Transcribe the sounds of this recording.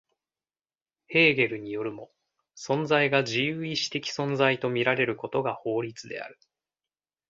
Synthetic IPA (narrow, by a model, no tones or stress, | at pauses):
he̞ːɡe̞ɾɯ̟ɲ̟ijo̞ɾɯ̟mo̞ | sõ̞nd͡zaiɡaʑijɯːiɕi̥t̪e̞kʲi̥sõ̞nd͡zait̪o̞mʲiɾaɾe̞ɾɯ̟ko̞t̪o̞ɡaho̞ːɾʲit͡sɨd̪e̞̰a̰ɾɯ̟